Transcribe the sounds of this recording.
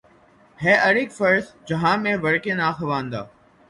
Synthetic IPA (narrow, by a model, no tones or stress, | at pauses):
ɦeːʔəɾɪkfəɾsd͡ʒəɦãːmẽːʋəɽkẽːnaːxəʋãːnd̪a̰ː